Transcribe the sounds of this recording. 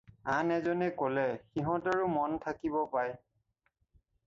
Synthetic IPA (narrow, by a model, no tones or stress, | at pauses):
anɛzɔnɛkɔlɛxiɦɔ̃taɹumɔntʰakibɔpaj